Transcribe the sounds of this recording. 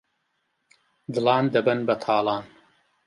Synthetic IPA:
d̪ɨlˠɑːnd̪ɐbɐnbɐt̪ʰɑːlˠɑːn

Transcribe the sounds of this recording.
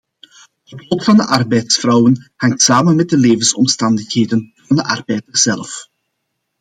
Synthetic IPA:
ətlɔtfɑndəʔɑrbɛjtsfrɔwənhɑŋtsaːmənmɛt̚dəleːvənsɔmstɑndəxɦeːdənvɑndəʔɑ̰rbɛjdərz̥ɛlf

